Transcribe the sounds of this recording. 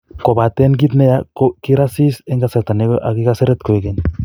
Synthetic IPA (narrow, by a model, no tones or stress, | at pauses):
kobat̪enɡ̬it̪nejakokiɾasiseŋɡasat̪aneʔa̰kikaseɾet̪koekeɲ